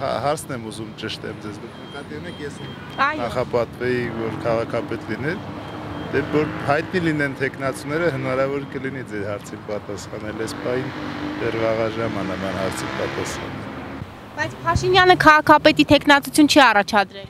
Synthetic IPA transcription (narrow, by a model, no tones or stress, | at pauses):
hɑ̰ɦɑɾt͡sʰnɛmuzumt͡ʃəʃt̪ɛ̰md͡zɛzɡənəkɑt̪iumɛkʰjɛs | ɑjnχɑpɑt̪vɛjivɔɾkʰɑʁɑkʰɑpɛt̪linɛɾd̪ɛvɔɾhɑjt̪̚nilinɛnt̪ʰɛknɑt͡sunɛɾəɦənɑɾɑvɔɾkəlinid͡zɛɾhɑɾt͡sʰinpɑt̪ɑsχɑnɛlɛspɑhind̪ɛrʁɑʁɑʒɑmɑnɑnɑnɦɑɾt͡sʰipɑt̪ɑsχɑ̰nɛl | b̥ɑjt͡sʰpʰɑʃinjɑnəkʰɑʁɑkʰɑpɛt̪it̪ʰɛknɑt͡sut͡sʰjunt͡ʃʰɛɑrɑt͡ʃʰɑd̪ɾɛl